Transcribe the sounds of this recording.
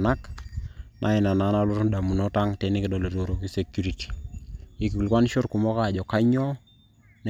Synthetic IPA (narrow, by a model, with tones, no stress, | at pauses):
na˦k | nʔa̰˨ɪ˨na˨na˨˦na˦lo˦tu˦nda˨mu˨nɔ˦ta˦ŋte˨nɪ˦kɪ˦dɔ˨lo˨to˨ɾo˨ki˦se˨kju˦ɾi˨ti̥˨i˨ki˨u˨lkwa˦n˦ʃo˦ɾku˨mɔ˦ka˦˨d͡ʒɔ˨ka˦ɲɔ˦ | n